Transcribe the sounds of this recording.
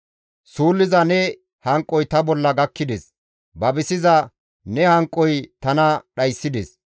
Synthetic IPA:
suːlːɪzɐnɛ | hɐŋkʼːɔjt̪ɐbɔlːɐɡɐkːɪd̪ɛs | bɐbɪsɪzɐ | nɛhɐŋkʼːɔjt̪ɐnɐɗɐjsːɪd̪ɛs

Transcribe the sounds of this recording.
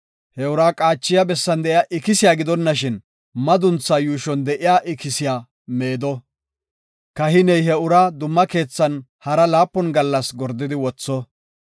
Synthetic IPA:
hɛʊɾaːkʼaːt͡ʃːɪjabɛsːɐnd̪ɛʔɪjaːʔɪkɪsɪjaːɡɪd̪ɔnːɐʃɪn | mɐd̪ʊnt͡sːajuːʃɔnd̪ɛʔɪjaːʔɪkɪsɪjaː | me̞ːd̪ɔ | kɐhɪnɛjɦɛʊɾad̪ʊmːɐke̞ːt͡sːɐn | hɐɾɐlaːpːɔnɡɐlːɐsɡɔɾd̪ːɪd̪ɪwɔt͡sːɔ

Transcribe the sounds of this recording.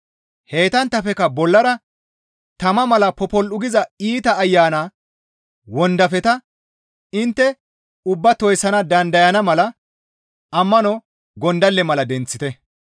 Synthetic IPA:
he̞ːt̪ɐnt̪ːɐfɛkɐbɔlːɐɾɐ | t̪ɐmɐmɐlɐpɔpɔlʔʊɡɪzɐiːt̪ɐːjːaːnaː | wɔnd̪ɐfɛt̪ɐ | ɪnt̪ːɛ | ʊbːɐt̪ɔjsɐnɐd̪ɐnd̪ɐjɐnɐmɐlɐ | ɐmːɐnɔ | ɡɔnd̪ɐlːɛmɐlɐd̪ɛnt͡sːɪt̪ɛ

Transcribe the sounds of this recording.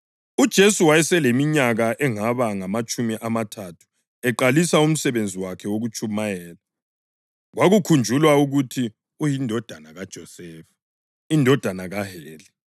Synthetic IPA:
ud̥ʒ̥ʱesuwajɛsɛlemiɲaɣaʔɛŋaβaŋamat͡ʃʼumiʔamatʰatʰu̥ | ɛǃalisaum̩sɛβend͡zʱiwakʰɛwoɣut͡ʃʼʰumajɛːla | ɣwaɣukʰund͡ʒʱulwauɣutʰi | ujindʱɔd̥ʱanaɣad̥ʒ̥ʱɔsɛːfḁ | indʱɔd̥ʱanaɣaɦɛːlɛ

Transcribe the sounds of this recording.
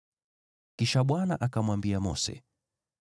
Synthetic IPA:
kiʃaɓwana̰ʔakamwambiamɔ̰sɛ̰

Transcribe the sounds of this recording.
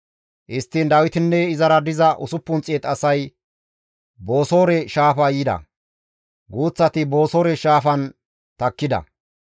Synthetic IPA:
ʔɪst̪ːind̪ɐwɪt̪ɪnːɛɪzɐɾɐd̪ɪzɐʔʊsʊpːʊnt͡sʼeːt̪ɐsɐj | bo̞ːso̞ːɾɛʃaːfɐjiːd̪ɐ̰ | ɡuːt͡sːɐt̪ɪbo̞ːso̞ːɾɛʃaːfɐn | t̪ɐkːɪd̪ɐ̰

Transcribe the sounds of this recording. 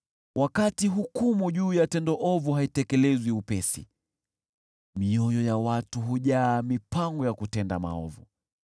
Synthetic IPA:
wʔakatiɦukumuʄuːjatɛndɔʔɔvuɦaitɛkɛlɛzwiupɛsḭ | miɔjɔjawatuɦuʄaːmipaŋɡɔjakutɛnda̰ma̰ɔ̰vṵ

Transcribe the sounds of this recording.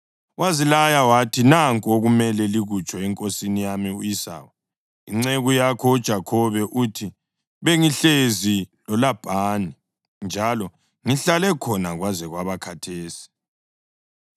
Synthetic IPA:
wazilajawatʰinaŋkʼoɣumɛlɛliɣut͡ʃʼɔɛŋkʼosinijamiujisa̰ːwa | iŋ͡ǀeɣujakʰɔud̥ʒ̥ʱakʰɔβɛʔutʰi | βeŋiɬezilɔlab̥ʱaːni | nd͡ʒʱalɔ | ŋiɬalɛkʰɔnaɣwazɛɣwaβakʰatʰeːsi̥

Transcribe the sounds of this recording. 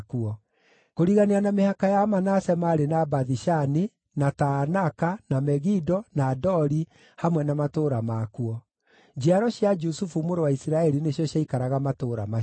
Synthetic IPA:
kuɔ | koɾiɣaneanamehakajamanasɛmaɾenabaðiʃani | natanakanamɛɣidɔnadɔɾi | hamwɛnamatoːɾamakuɔ | d͡ʒiaɾɔɕjad͡ʒusufumoɾowaisiɾaɛɾineɕjɔɕjaikaɾaɣamatoɾa̰ma

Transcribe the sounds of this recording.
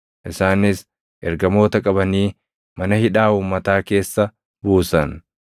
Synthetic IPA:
ʔɪsaːnɪs | ʔɛɾɡɐmo̞ːt̪ɐkʼɐbɐniː | mɐnɐhɪᶑaːuːmːɐt̪aːke̞ːsːɐ | buːsɐn

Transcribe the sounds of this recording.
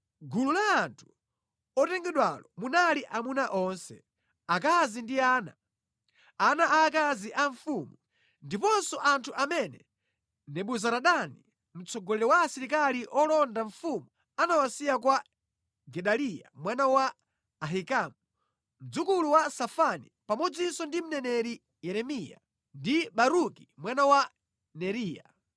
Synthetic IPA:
ɡululaːntʰu̥ | ɔtɛŋɡɛɗwalɔmunaliʔamunaʔɔnsɛ̰ | ak̬azindiaːna̰ | anaʔaːkaziʔaɱfumu | ndipɔnsɔʔantʰuʔamɛnɛ | nɛɓuzaɾaɗani | m̩t͡sɔɡɔlɛɾɛwaːsiɾik̬aliʔɔlɔndaɱ̩fumu | anawasijak̬wa | ɡɛɗalija̰mwanawaː | ɦikamu | m̩d͡zukuluwasafanipamɔd͡zisɔndim̩nɛnɛɾi | jɛɾɛmija̰ | ndiɓaɾukimwanawa | nɛɾiːja̰

